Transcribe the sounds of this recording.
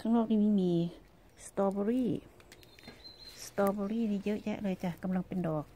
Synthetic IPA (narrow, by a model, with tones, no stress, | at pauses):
kʰa˧ŋnɔː˧˨k̚ni˧˩mi˧miː˧ | st̪ɔː˧bɔ˧ɾiː˥˩ | st̪ɔː˧bɔ˧ɾiː˥˨nʰiː˧˩jəː˦˥ʔjɛ̰˦˧˥ʔlɤː˧jt͡ɕa˧˩ka˧˨mla˧ŋpe˨ndɔː˨˩k̚